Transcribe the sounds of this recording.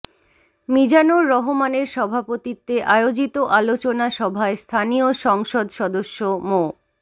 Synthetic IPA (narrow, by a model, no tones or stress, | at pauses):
mid͡ʑanoɾːɔɦomaneɾʃɔbʱapot̪it̪ːeʔaeod͡ʑit̪oʔalot͡ɕonaʃɔbʱaest̪ʰanioʃɔŋʃod̪ʃɔd̪oʃːomo